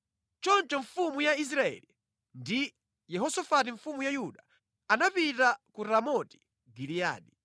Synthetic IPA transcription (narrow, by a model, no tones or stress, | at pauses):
t͡ʃɔnt͡ʃɔɱfumujais̬ɾaɛ̰ːli | ndi | jɛɦɔsɔfat̬iɱfumujajuɗa | anapitakuɾamɔti̥ | ɡilija̰ːɗi